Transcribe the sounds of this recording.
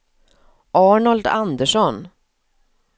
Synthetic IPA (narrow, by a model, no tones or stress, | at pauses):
ʔɑːɳald̪and̪əʂɔn